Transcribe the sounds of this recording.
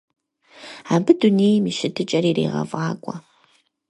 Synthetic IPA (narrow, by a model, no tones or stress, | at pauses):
aːbɨduneːjmiʃɪtʰɨt͡ʃʼɐɾiːrḛːʁɐ̰vɑːkʷʼɔ